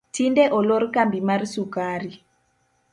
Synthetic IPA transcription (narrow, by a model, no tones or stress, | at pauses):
tindɛʔɔlɔɾkambimaɾsukaɾi